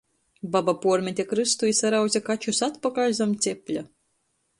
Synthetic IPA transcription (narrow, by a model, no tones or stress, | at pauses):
babapuɔɾmʲɛt̪ʲekɾɨst̪ujisaɾawd̪zʲekat͡ʃusat̪pakalʲzamt̪sʲepʲlʲa